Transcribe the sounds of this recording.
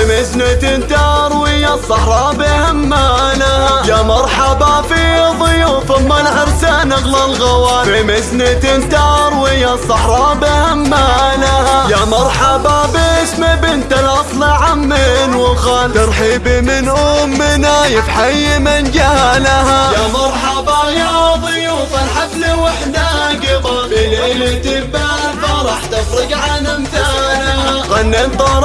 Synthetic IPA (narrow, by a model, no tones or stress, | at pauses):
ɪmɪznɪt̪ɪnt̪ɑɾˤwɪjasˤɑħɾˤɑːbɪhamːanahajamɑɾˤħabafiðˤijufɪmːanʕɑɾsanaɣlalɣawaːlbɪmɪznɪt̪ɪnt̪ɑɾˤwɪjasˤɑħɾˤɑːbɪhamːanahajamɑɾˤħɑbabɪsmɪbɪnt̪alʔɑsˤlɪʕamːɪnwɪɣalt̪ɨɾˤħibimɪnʔʊmːɪnajɪfħajːɪmɪnd͡ʒalahajamɑɾˤħɑbajɑðˤɨjufanħaflɪwaħd̪aɡɪbɑfilelɪt̪ɪbabaɾˤɑːħt̪ɪfɾɪɡʕanamt̪anaɣanːɪnt̪ˤɑɾˤ